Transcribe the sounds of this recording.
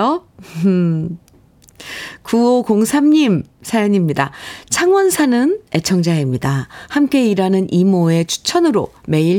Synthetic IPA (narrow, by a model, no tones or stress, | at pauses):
o | kuokoŋsʰamɲimsʰajʌɲimɲidat͡ɕʰaŋwʌnsʰanɯne̞t͡ɕʰʌŋd͡ʑaimɲidahamk͈e̞iɾanɯnʔimoe̞t͡ɕʰu̥t͡ɕʰʌnɯɾo̰ | me̞iɭ